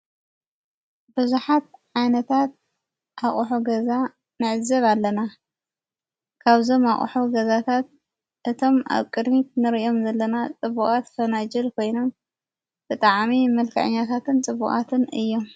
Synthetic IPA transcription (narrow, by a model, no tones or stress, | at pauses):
bɨzuħat̪̚ʕajnɐt̪ʰat̪̚ | ʔaχʼħuɡɐza | nɨʕɨzɐβalːɐna | kʰaβzo̞ma̰χʼħuɡɐzat̪ʰat̪̚ | ʔɨt̪ʰo̞ma̰βkʼɨd̪mit̪nɨɾiʔo̞mzɐlːɐnat͡sʼɨβukʼat̪fɐnad͡ʒɪlkʰo̞jno̞m | b̥ɨt̪ʼaʕmimɐlkʰɐ̰ʕɨ̰ɲːat̪ʰat̪ɨnt͡sʼɨβuχʼa̰t̪ʰɨnɨ̰jːo̞m